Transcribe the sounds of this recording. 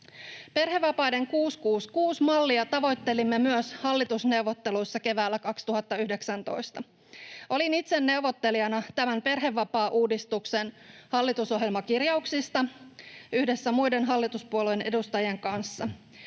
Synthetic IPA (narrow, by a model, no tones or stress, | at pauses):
pe̞rɦe̞ʋːɑpɑjde̞ŋkuːskuːskuːsmɑlːiɑt̪ɑʋo̞jt̪ːe̞limːemyøshɑlːit̪usne̞uʋo̞t̪ːe̞lujsːɑke̞ʋæːlːækɑkst̪uɦɑt̪ːɑyhdeksænt̪o̞̰jst̪ɑ | ʔolinit̪se̞nːe̞uʋo̞t̪ːe̞liɑnɑt̪æmæmpe̞rɦe̞ʋːɑpɑːʔuːdist̪ukse̞nhɑlːit̪uso̞ɦjelmɑkirjɑuksist̪ɑ | yhde̞sːæmujde̞nɦɑlːit̪uspuolujenʔe̞dust̪ɑjeŋkɑnsːɑ